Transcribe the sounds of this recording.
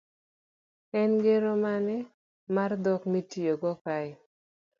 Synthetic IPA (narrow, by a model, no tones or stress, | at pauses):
ɛnɡeɾomanɛ | mard̪ɔkmitijoɡɔka